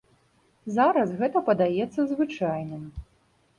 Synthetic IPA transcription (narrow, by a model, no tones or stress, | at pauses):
zaɾɐsɣɛt̪ɐpɐd̪ajɛt̪sːɐzvɨt͡ʂajnɨm